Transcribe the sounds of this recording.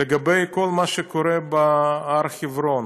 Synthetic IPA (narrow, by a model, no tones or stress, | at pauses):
eɡabejkolmaʃekoɾebaaɾχivɾon